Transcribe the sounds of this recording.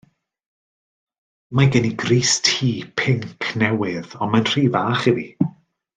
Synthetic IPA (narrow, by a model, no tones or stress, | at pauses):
maɡɛniɡriːstʰiːpʰɪŋkʰnɛwɪðɔnmanr̥iːvaːχivi